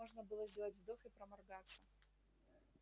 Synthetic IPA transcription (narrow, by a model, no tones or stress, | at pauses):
oʐnəbɨlˠəzʲdʲelˠətʲvd̪oxɨpɾəmɐrɡat̪sə